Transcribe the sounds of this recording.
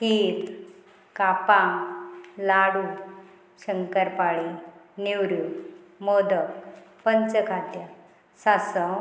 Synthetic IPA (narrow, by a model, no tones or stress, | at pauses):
kiːt̪ | kapãŋlaɽu | ɕəŋkəɾpaɭiniwɾu | mod̪əkpənt͡səkʰat̪ja | sasə